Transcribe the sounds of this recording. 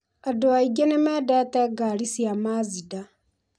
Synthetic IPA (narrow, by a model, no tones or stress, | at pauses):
adoaiɡenemɛdɛtɛɡaɾisiamazida